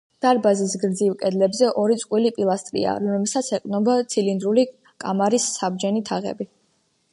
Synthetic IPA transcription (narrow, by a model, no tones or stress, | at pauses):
d̪̥aɾbazisɡɾd̪zilkʼɛd̪lɛbzɛʔɔɾit̪sʼqʼwilipʼilˠast̪ʼɾḭa̰ɔɛsat̪sʰɛqʼnɔbat̪sʰilind̪ɾuli | kʼamaɾisːabd͡ʒɛnit̪ʰaʁɛ̰bi